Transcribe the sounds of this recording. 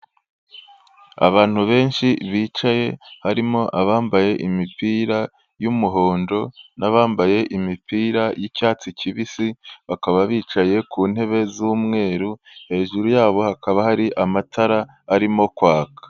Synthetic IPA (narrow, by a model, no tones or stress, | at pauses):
a̰βaːn̥huβe̞ːnʃiβiːt͡ʃaje̞haɾimo̞ʔaβaːmbaje̞ʔimipiːɾa | jumuɦo̞ːndo̞naβaːmbaje̞ʔimipiːɾajicaːt͡siciβisiβakaβaβiːt͡ʃaje̞kʰuːn̥e̞βe̞zuːmŋe̞ːɾu | he̞ːʒuɾujaːβo̞hakaβahaɾiʔamatʰaɾaː | ɾimo̞kwaːkḁ